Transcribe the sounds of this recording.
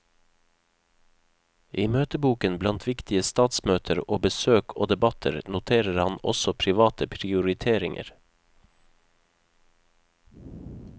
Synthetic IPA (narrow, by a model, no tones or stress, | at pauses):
ʔiːmøːt̪əbuːkənblɑnt̪ʰʋɪkt̪ɪəst̪ɑːt̪smøːt̪ʰəɾoːbəsøːkʰo̰ːd̪ɛbɑt̪ʰə̰ɾnʊt̪ʰeːɾəɾhɑnɔ̰sɔpʰɾɪʋɑːt̪ʰəpʰɾɪʊɾɪt̪ʰeːɾɪŋʔə̰ɾ